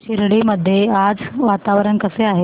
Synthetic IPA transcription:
ɕiɾɽiməd̪ʱːjead͡zʋat̪aʋɾəɳkəseaɦe

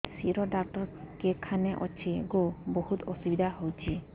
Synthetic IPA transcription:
siɾɔɖak̚ʈɔɾkekʰanɛʔɔ̰t͡ʃʰiɡobohut̪ɔsubid̪ʱaɦowt͡ʃʰi

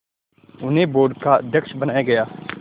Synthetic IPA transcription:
ʊnɦẽːboːɾɖkaːd̪ʱəkʃbənaːjaɡɐjaː

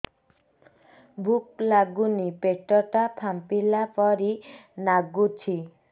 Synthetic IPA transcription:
bʱuklaɡunipeʈɔʈapʰampilapɔɾinaɡut͡ʃʰi

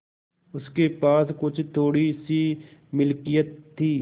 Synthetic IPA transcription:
ʊskepaːskʊt͡ʃʰt̪ʰoːɽisimɪlkijət̪ʰːiː

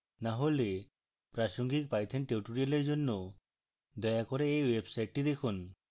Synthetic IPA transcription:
naɦole | pɾaʃoŋɡik̚pajt̪ʰenʈeʈuɾialeɾd͡ʒonːo | d̪ɔjakɔɾeejwebsajʈːid̪ekʰun

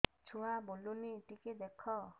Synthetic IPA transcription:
t͡ʃʰuwaboluniʈiked̪ekʰɔ

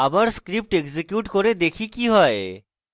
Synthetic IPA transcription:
abaɾskɾip̚ʈeɡzekjuʈkoɾed̪ekʰikiɦɔe

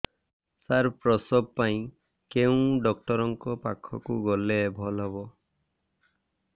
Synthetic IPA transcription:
saɾpɾɔsɔb̚paĩ | keũɖɔkʈɔɾɔŋkɔpa̰kʰɔ̰kuɡɔlebʱɔlɦɔbɔ

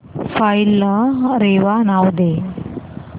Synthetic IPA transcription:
fajlɐɾeːʋanaːwd̪e

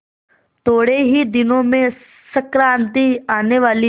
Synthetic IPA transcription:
t̪oːɽeɦid̪ɪnõmẽ | səkɾãːnt̪iaːneʋaːli

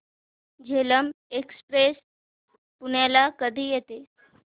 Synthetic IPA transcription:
d͡ʑʱeləmekspɾes | puɳjalakəd̪ʱiːjet̪e

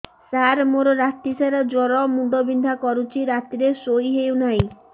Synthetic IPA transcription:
saɾmoɾɔɾat̪isaɾɔd͡ʒɔɾɔmuɖ̪ɔbind̪ʱakɔɾut͡ʃʰiɾat̪iɾesojɦeunaĩ

